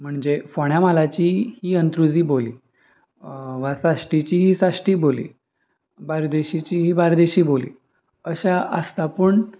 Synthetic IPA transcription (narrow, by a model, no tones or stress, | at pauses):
m̤əɳd͡zefoɳjamalat͡ɕiːhiːənt̪ɾud͡ziːbolḭː | ʋasaʂʈit͡ɕiːɦiːsaʂʈiːbolḭː | baɾd̪eɕit͡ɕiːɦiːbaɾd̪eɕiːbolḭː | əɕaʔəst̪apəɳ